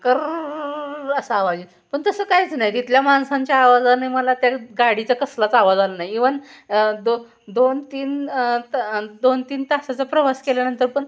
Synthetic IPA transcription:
kəɾ | əsəaʋad͡ʑi | pəɳt̪əsəːkajt͡snajt̪it̪ljamansãɲt͡ɕjaːʋad͡zalnajməlat̪jaɡaɽit͡sakəslat͡saʋad͡zalənajiʋənd̪o | d̪ont̪iːn | d̪ont̪iːnt̪asat͡sapɾəʋaskeljanənt̪əɾpəɳ

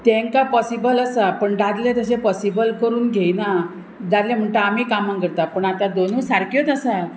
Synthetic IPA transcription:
t̪ẽŋkapɔsibələsapəɳɖad̪lẽt̪əɕepɔsibəlkəɾuːnɡʱejna | d̪ad̪lẽm̤əɳʈ̪aːmiːkamãŋkəɾt̪apəɳat̪ad̪onũsaɾkjot̪əsa

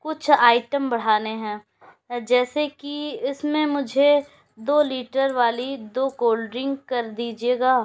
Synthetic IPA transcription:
kʊt͡ʃʰaːɪʈəmbɐɽ̤aːneɦɛ̃ː | d͡ʒɛːsekiɪsmẽmʊd͡ʒʱe | d̪oːliːʈəɾʋaːlid̪oːkoːlɖɾɪ̃ŋɡkɐɾd̪iːd͡ʒieːɡaː

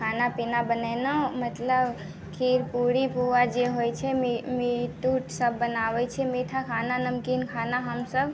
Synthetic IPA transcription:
kʰanapinabənenomət̪ləb | kʰiɾpuɽipuʋad͡ʒeɦojt͡ʃʰemmeʈuʈsəbːənaʋet͡ʃʰemet̪ʰakʰananəmkinkʰanaɦəmsəb

